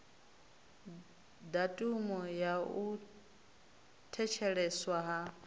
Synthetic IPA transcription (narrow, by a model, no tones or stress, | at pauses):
datʼumɔjau | tʰɛt͡ʃʰɛɺɛswaɦa